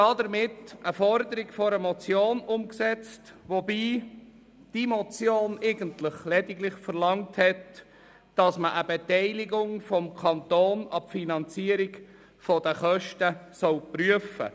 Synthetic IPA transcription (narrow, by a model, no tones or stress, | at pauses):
ɑd̪əɾmɪtʔəfɔɾdəɾiɡfɔɾəmɔt͡sjoːnʊmksɛt͡stʋobiː | d̥imɔt͡sjoːnɛɪɡəntlɪχlɛdɪɡlɪχfəɾlɑŋthɛt | d̥ɑsməʔəbɛtɛɪlɪɡʊŋfɔmkʰɑnt̪oːnɑpfinɑnt͡siːəɾiɡ | fɔdəχœʃtəsɔʊpryəfə̰